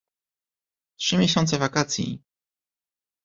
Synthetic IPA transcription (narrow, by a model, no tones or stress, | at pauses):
tʂɘmʲjɛɕɔnt̪sɛvakat̪sʲjḭ